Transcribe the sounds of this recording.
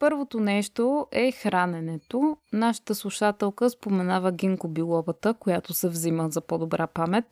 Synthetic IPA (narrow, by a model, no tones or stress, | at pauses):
pɤɾvot̪onɛʃt̪oʔɛxɾanɛnɛt̪onaʃə̥t̪əslˠuʃat̪ɛlˠkəspomɛnavəɡʲiŋkobilˠɔvət̪əkojat̪osɛvziməzɐpɔd̪obɾʔapamɛt̪̚